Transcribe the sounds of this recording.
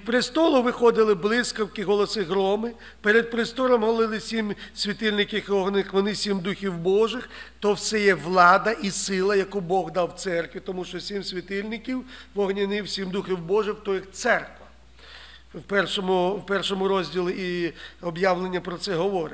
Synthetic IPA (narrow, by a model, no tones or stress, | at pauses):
pɾɪst̪ɔlˠʊʋɪxɔd̪ɪlˠɪblˠɪskɔwkɪɦɔlˠɔsɪɦɾɔmɪ | peɾed̪̚pɾɪst̪ɔlɔmɦɔlˠɪlˠɪsʲimsʲʋʲit̪ɪlʲnɪkʲixɔɦnɪxʋɔnɪsʲimd̪uxʲiwbɔʒɪxt̪ɔwsɛjɛʋlˠɑd̪ɐʔisɪlˠɐjɐkubɔɣd̪ɑwt̪sɛrkʋʲit̪ɔmuʃt͡ʃɔsʲimsʲʋʲit̪ɪlʲnɪkʲiwʋɔɦnʲinɪwsʲimd̪uxʲiwbɔʒɪwt̪ɔjixt̪sɛrkʋɐ | wpɛrʃɔmʊwpɛrʃɔmʊɾɔzʲdʲilˠɪiɔbjɑwlˠenʲːɐpɾɔt̪sɛɦɔʋɔɾɪ̰